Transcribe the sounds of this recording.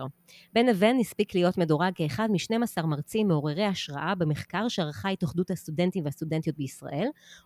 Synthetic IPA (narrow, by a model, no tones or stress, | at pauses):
be̞nave̞nːispiklijo̞tme̞doʁaɡ̚keːχadmiʃne̞masaʁmaʁt͡simːeo̞ʁeʁejhaʃʁaʔabemeχkaʁʃeaʁχajt̪oχduthast̪ude̞ntimveast̪ude̞nt̪ijo̞t̪̚beisʁa̰ʔe̞l